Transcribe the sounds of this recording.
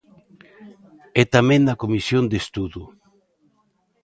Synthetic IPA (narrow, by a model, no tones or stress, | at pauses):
ɛt̪amẽŋnakomisjond̪est̪uðu